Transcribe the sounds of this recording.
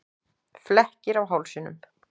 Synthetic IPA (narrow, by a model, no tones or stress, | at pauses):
flɛhcɪɾawɦawlsɪnʏ̰m